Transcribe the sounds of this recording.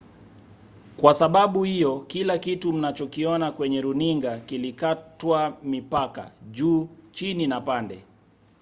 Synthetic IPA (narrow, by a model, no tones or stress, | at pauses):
kwasaɓaɓuhijɔkilakitum̩nat͡ʃɔkiɔnakwɛɲɛɾuniŋɡakilikatwamipaka̰ʄuːt͡ʃininapandɛ